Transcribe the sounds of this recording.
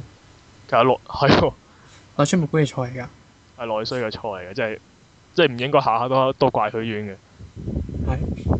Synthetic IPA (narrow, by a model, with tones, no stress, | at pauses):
kʰe˨˩sɐ˨tlɔ˨hɐ˨jwɔ˧ | lɔː˨˧smo˨kuː˧˥kɛ˨˧t͡ʃʰɔː˧le˨˩jka˧ | hɐ˨jlɔː˨˧jskɛ˧t͡ʃʰɔː˧˩le˨˩jɡaː˧˥t͡sɛ˥ɐ˨˩ | t͡sɛː˥˩jm̩˨˩jɪ˥ŋkɔː˥jɦaː˨haː˨˧t̪o˥t̪o˥wkʷaː˧jhɵ˨˧˥ɥyː˨˧˥nɡɛ˧ | hɐ˨j